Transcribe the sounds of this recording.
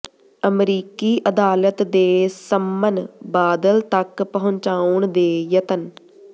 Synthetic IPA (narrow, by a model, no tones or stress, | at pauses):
əmɾiːkiːʔəd̪aːlət̪d̪eːsəmːənbaːd̪əlt̪əkpəɦʊ̃ɲt͡ʃaːʊɳd̪eːjət̪ən